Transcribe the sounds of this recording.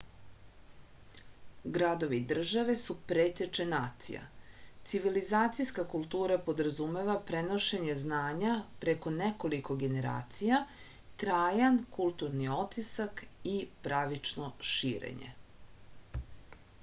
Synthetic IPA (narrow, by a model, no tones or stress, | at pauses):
ɡɾad̪o̞ʋid̪r̩ʒaʋe̞supɾeːt̪et͡ʃenaːt̪sḭja̰t̪siʋilizaːt̪sijskakulˠt̪uːɾapo̞d̪ɾazume̞ʋapɾeno̞ʃe̞ɲe̞znaːɲapɾeko̞nekoliko̞ɡe̞ne̞ɾa̰ːt̪sija | t̪ɾaːjankulˠt̪uɾnio̞t̪isakipɾaʋit͡ʃno̞ʃiːɾḛɲḛ